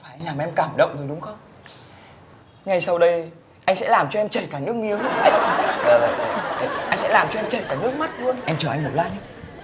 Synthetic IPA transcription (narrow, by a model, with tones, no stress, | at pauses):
faː˧˩laː˨˩mʔɛ˧mkaː˧˩mɗə̰˧˨wŋ͡mzo˨˩ɗʊ˨˦ŋ͡mxə˧wŋ͡m | ŋa˨˩jsa˧wɗə˧j | ʔa˧jŋsɛ̰˧˥laː˨˩mt͡ɕɔ˧ʔɛ˧mt͡ɕəː˧˩jkaː˧˩nɨ˦˥ək̚mi˨˦əwlɨ˦˥aː˧jəː˨˩ə˨˩˨ʔa˧jŋ̟sɛ̰˧˥laː˨˩mt͡ɕɔ˧ɛ˧mt͡ɕəː˧˩jkaː˧˩nɨ˦˥ək̚ma˦˥t̚lu˧ənʔɛ˧mt͡ɕə˧˩ʔa˧jŋmo˨˩laː˧ɲa˧˦